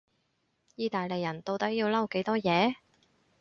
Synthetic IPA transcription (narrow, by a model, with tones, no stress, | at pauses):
jiː˧t̪aː˨jle˨˩jɐ˨˩nt̪o˧wt̪ɐ˥k̚jiː˧wlɐ˥˩wke˨˥jt̪ɔː˥jɛː˨˧